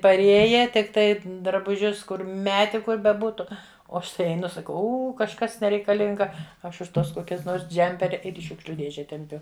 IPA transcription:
pɐrʲˈeːjɛ tʲɪkˈtɐɪ drɐbʊˈʒʲʊs ˈkʊr ˈmʲæːtʲɪ ˈkʊr bʲɛˈbuːtʊ oː ˈɐʃ tɐɪ ɛɪˈnʊ sɐˈkɐʊ ˈuː kɐʃˈkɐs nʲɛrʲɛɪkɐˈlʲɪŋɡɐ ˈɐʃ ʊʃ ˈtuɔs ˈkoːkʲɛs ˈnoːrs ˈd͡ʒʲɛmʲpʲɛrʲɪ ˈɪr iː ˈʃʲuːkʃʲlʲʊ ˈdʲeːʒʲɛ tʲɛmʲˈpʲʊ

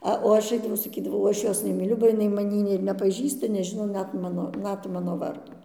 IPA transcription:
ˈɐ oː ˈɐʃ ˈɐɪdɐʋɐʊ sɐˈkʲiːdɐʋɐʊ ˈɐʃ ˈjoːs nʲɛmʲiːˈlʲʊ bɐ jɪˈnɐɪ mɐˈnʲiː ɪr nʲɛpɐˈʒʲiːstɐ nʲɛˈʒʲɪnoː ˈnʲɛt ˈmɑːnoː ˈnʲɛt ˈmɑːnoː ˈʋɐrdoː

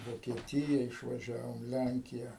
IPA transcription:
ʋoːkʲiɛˈtʲɪjɛ ɪʃʋɐˈʒʲæːʋoːm ˈlʲæŋʲkʲɪjɛ

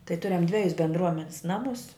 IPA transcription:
tɐɪ ˈtʊrʲɛm ˈdʲʋʲæːjʊs bʲɛndˈruɔmʲɛnʲɪs ˈnɑːmʊs

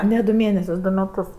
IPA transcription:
nʲɛ dʊ ˈmʲeːnʲɛsʲʊs ˈdʊ mʲɛˈtʊs

